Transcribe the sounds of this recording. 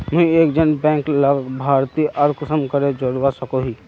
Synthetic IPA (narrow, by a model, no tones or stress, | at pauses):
mɛ̃eːkd͡ʒənbɛ̃ːŋkləɡbʱaːɾt̪iʔəɾkʊsəmkəɾed͡ʒəɾuasəkoɦiː